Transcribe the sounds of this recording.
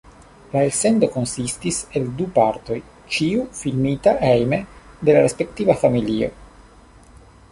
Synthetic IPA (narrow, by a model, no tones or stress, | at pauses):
laelse̞ndo̞ko̞nsistise̞ldupaɾto̞j | t͡ʃiufilmitaʔejme | de̞laɾespe̞ktivafamilio̞̰